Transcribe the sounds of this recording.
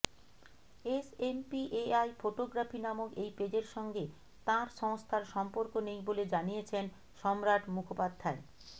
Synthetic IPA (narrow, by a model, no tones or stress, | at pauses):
esempiʔeajfoʈoɡɾafinamoɡejped͡ʑeɾʃɔŋɡe | t̪ãɾʃɔŋost̪ʰaɾʃɔmpoɾkonejboled͡ʑanijet͡ɕʰen | ʃɔmɾaʈmukʰopad̪ʱːae